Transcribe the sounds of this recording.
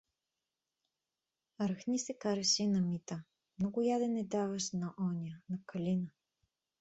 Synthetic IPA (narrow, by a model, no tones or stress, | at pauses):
ɾɐxnʲisɛkaɾɛʃɛinɐmit̪a | mnɔɡʊjad̪ɛnɛd̪avɐʃnɐʔɔniənɐkɐlinə